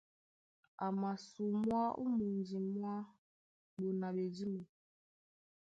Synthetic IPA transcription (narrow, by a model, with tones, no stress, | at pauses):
a˨ma˨su˨mwa˦ṵ˦mu˨n˨d͡ʒi˨mwa˦ | ɓo˨na˨ɓe˨d͡ʒi˦mu˨